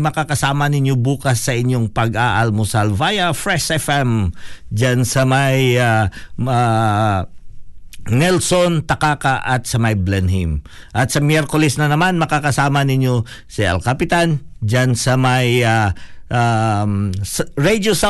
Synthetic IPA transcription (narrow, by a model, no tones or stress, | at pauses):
mɐkakɐsaːmɐnɪɲjobuːkɐsːɐʔɪɲjoŋpɐɡaʔɐlmosalvajɐfɹɛsɛfɛmd͡ʒansɐmajaa | nɛlsont̪ɐkaːkaʔɐt̪̚sɐmɐjblɛnɦḭm | ʔɐt̪sɐmjɛɾkolɛsnɐnɐmanmɐkakɐsaːmɐnɪɲjo̞ | siɐ̰lkɐpɪt̪and͡ʒansɐmajaa | ɹed̪osa